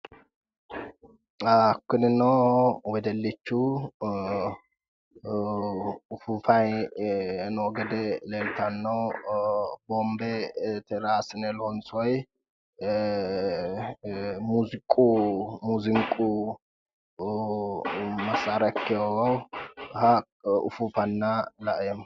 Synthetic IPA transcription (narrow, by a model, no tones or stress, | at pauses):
akːɨnɨnːəwwɔd̪əlːit͡ʃːu | fufaj | nwɔɡəd̪əlelt̪ʰanːəw | bombet̪ʰɛɾasnɛlonsoj | muzkʼumuzɨŋkʼu | mɐsaɾɐkːɪoɡɐwha | ʊ̰fufɐnːalaʔjɛm